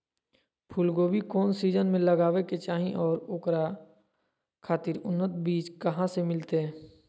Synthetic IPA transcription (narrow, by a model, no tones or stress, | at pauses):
pʰʊlɡoːbikɔːnsiːd͡ʒənmẽləɡaːʋeket͡ʃaːɦĩʔɔːɾoːkɾa | kʰaːt̪ɪɾʊnːət̪biːd͡ʒkɐɦãsemɪlt̪eɦɛ̃ː